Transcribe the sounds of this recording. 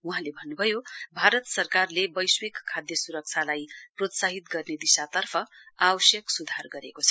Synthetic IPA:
uɦãlebʱʌnːubʱʌjobʱaɾʌt̪sʌrkarlebʌjswekkʰːad̪jʌsuɾʌk̚t͡sʰalajprot̪saɦit̪ɡʌrned̪isat̪ʌrpʰʌabʌsjʌksud̪ʱarɡʌɾekot͡sʰʌ

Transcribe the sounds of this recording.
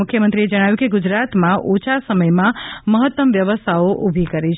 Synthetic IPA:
ʊkʰjəmənt̪ɾied͡ʒəɽ̃aʋjũkeɡud͡ʒɾat̪mãʔot͡ʃʰasəməjmãməɦət̪ːəmʋjəʋəst̪ʰaoʔubʱikəɾit͡ʃʰ

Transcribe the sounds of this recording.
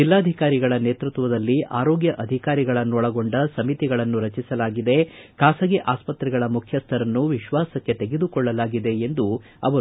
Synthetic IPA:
d͡ʒilːaːd̪ʱikaːɾiɡɐɭɐneːt̪ɾut̪ʋɐd̪ɐlːiʔaːɾoːɡjɐʔɐd̪ʱikaːɾiɡɐɭɐnːɔɭɐɡo̞ɳɖɐsɐmit̪iɡɐɭɐnːuɾɐt͡ʃisɐlaːɡid̪e̞kaːsɐɡeʔaːspɐt̪ɾɛɡɐɭɐmukʰjɐst̪ʰɐɾɐnːuʋiʃʋaːsɐkːe̞t̪e̞ɡed̪ukɔɭːɐlaːɡid̪e̞ːnd̪u | ɐ̰ʋɐɾ

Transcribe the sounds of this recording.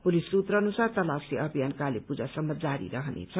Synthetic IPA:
polisuːt̪rʌnusart̪ʌlaseʌbʱijankalepud͡zasʌmːʌd͡zaɾḭɾʌɦnḛt͡sʰʌ

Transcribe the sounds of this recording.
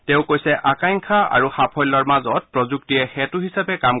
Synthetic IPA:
tɛ̃ʊ̃kojsɛʔakajŋkʰaa̰ɹuxapʰɔjlːɔɹmazɔt̚pɹɔzuk̚tiɛxɛtuɦisapɛkam

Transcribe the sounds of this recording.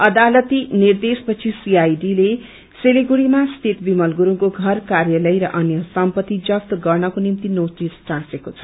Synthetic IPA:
ʌd̪alʌt̪inird̪espʌt͡sʰisiajɖile | seleɡuɽimast̪ʰet̪bimʌlɡuɾukoɡʱʌrkarjʌlʌjɾʌʔʌnjʌsʌmpʌt̪ːid͡zʌkt̪ɡʌrnʌkonimt̪inotisʈãsekot͡sʰʌ̥

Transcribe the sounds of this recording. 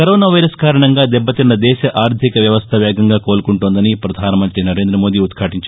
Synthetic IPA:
kɐɾoːnaːʋɐjɾɐskaːɾɐɳɐŋɡaːd̪ɛbːɐt̪inːɐd̪ɛːʃɐʔʔaːɾd̪ʱikɐʋjɐʋɐst̪ʰɐʋjaːɡɐŋɡaːko̞ːlukuɳʈond̪ɐnipɾɐd̪ʱaːnɐmɐnt̪inɐɾe̞ːnd̪ɾɐmo̞ːd̪iːut̪kʰaːʈiɲt͡ʃ

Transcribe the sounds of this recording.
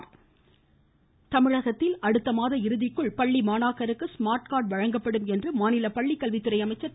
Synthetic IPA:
t̪ɐmɪɻɐɣɐt̪ːɪlɐɽɯt̪ːɐmaːðɐɪɾɯðɪkːɯɭpɐɭːimaːnaːkɐɾɯkːɯsmaːɾʈkaːʈ̚ʋɐɻɐŋɡɐpːɐɽɯmɛndrɯmaːnɪlɐpɐɭːikːɐlʋɪt̪ːɪɾɐɪɐmɐɪt͡ʃːɐ

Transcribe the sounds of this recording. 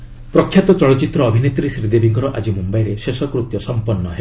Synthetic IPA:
pɾɔkʰjat̪ɔt͡ʃɔɭɔt͡ʃit̪ɾɔːbʱinet̪ɾisɾid̪ebiŋɡɔɾɔʔad͡ʒimumbajɾesesɔkɾut̪jɔsɔmpɔnːɔɦe

